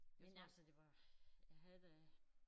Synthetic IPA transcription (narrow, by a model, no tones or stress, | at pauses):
menælsəd̥e̝ʋɑ̈jaɦæðˠ